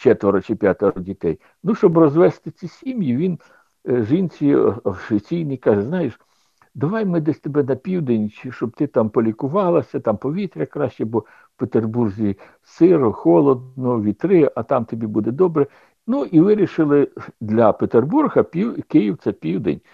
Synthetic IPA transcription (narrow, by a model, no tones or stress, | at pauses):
t͡ʃɛt̪ʋɔɾɔt͡ʃɪpʲjat̪ɔɾɔdʲit̪ɛj | nuʃt͡ʃɔbrɔzʋɛst̪ɪt͡sʲisʲimjiʋʲin | ʒinʲt͡sʲiɔʃʲit͡sʲijnijkɑʒɛznɑjeʃ | d̪ɐʋɑjmɪd̪ɛsʲt̪ɔbɛnɐpʲiwd̪enʲt͡ʃʃt͡ʃɔb̚t̪ɪt̪ɑmpɔlʲikʊʋɑlˠɐsʲɐt̪ɑmpɔʋʲit̪ɾʲɐkɾɑʃʲt͡ʃɛbɔ | wpet̪erburzʲi | sɪɾɔxɔlˠɔd̪nɔʋʲit̪ɾɪʔɐt̪ɑmt̪ɔbʲibud̪ɛd̪ɔbɾɛ | nuʔiʋɪɾʲiʃɪlˠɪd̪lʲɐpet̪erburɦɐpʲikɪjiwt̪sɛpʲiwd̪ḛnʲ